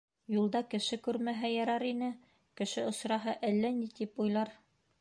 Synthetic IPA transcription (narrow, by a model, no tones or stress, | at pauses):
julˠd̪ɑkɘ̆ʃɘkʉɾmæɦæjɑɾɑɾinɘ | kɘ̆ʃɘŏsɾɑɦɤʔælːænit̪ipujlˠɑɾ